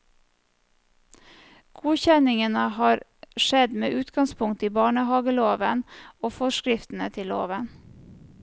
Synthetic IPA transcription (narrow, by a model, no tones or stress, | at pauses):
ɡ̥uːçɛnɪŋənəhɑːɾʃɛd̪mḛːʔʉːt̪ɡɑŋspʰʊŋt̪iːbɑːɳəhɑːɡəloːʋənoːfɔʃkɾɪft̪n̩ət̪ʰɪlo̰ːʋən